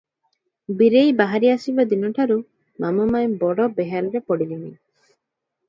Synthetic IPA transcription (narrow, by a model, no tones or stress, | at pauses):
biɾejbaɦaɾiasibad̪inɔʈʰaɾu | mamɔmaebɔɽɔbeɦaɾɔɾepɔɽilini